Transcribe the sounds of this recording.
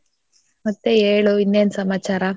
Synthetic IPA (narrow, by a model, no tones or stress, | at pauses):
mɐt̪ːeeːɭoinːeːnsɐmaːt͡ʃaːɾa